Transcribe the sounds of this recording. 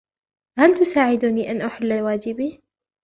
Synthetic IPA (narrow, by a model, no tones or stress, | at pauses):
halt̪ʊsaːʕɪd̪uniʔanʔaħalːawaːd͡ʒɪbi